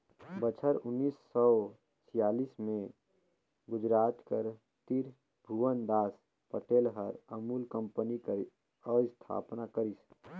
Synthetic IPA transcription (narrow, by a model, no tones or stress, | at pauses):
bət͡ʃʰəɾʊnːiːsːɔ | t͡ʃʰijaːliːsmẽ | ɡʊd͡ʒɾaːt̪kəɾ | t̪iɾ | bʱuwənd̪aːs | pəʈeːlɦəɾəmuːlkə̃mpənikəɾ | ɔːst̪ʰa̰ːpnakəɾis